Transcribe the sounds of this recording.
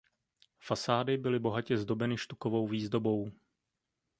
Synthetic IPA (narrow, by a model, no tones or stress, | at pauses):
fasaːdɪbɪlɪbo̞ɦacɛzdo̞bɛnɪʃt̪ukovo̞wviːzdo̞bo̞w